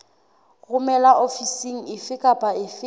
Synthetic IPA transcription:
ɣʊmɛlaʔofisiŋ̩ɪfɪkʼapʼaɪf

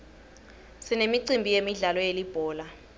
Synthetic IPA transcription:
sinemiǀimbʱijemiɮalɔjelib̥ʱɔːla

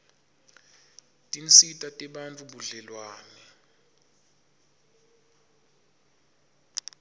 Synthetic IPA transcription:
tʼint͡sitʼatʼɛɓant͡fʼuɓuɮɛlwaːnɛ

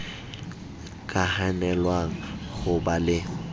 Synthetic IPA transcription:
kʼahanɛlwaŋ̩ɣʊbalɪ

